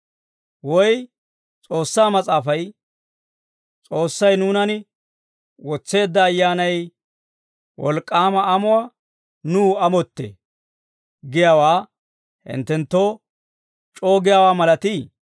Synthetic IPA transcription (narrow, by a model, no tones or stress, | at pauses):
wɔj | t͡sʼo̞ːsːaːmɐt͡sʼaːfɐj | t͡sʼo̞ːsːɐjnuːnɐn | wɔt͡sːe̞ːd̪ːɐːjːaːnɐj | wɔ̰lkʼːaːmɐɐmʊwa | nuːɐmɔt̪ːḛː | ɡɪjaːwaː | hɪ̰nt̪ːɛnt̪ːoː | t͡ʃʼo̞ːɡɪjawaːmɐlɐt̪iː